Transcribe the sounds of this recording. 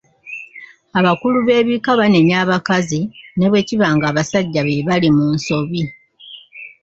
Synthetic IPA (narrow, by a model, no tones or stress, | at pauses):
aβakuluβe̞ːβikaβane̞ɲaːβakazine̞βwe̞ːciβaːŋɡaːβasaɟːaβeβalimuːnso̞βi